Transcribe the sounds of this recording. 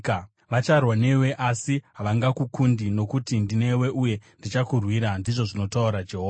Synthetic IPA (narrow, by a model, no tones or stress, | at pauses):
ʋat͡ʃarwane̞we̞ʔasiɦaʋaŋɡakukundino̞kutindine̞we̞ʔuje̞ndit͡ʃakurwiɾandiʐo̞ʐino̞tauɾad͡ʒe̞ɦoa